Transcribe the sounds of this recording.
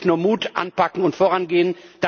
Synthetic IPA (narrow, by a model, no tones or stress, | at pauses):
nuːɐmuːtʔa̰npakŋ̩ʊntfoːʁanɡeːənd̥a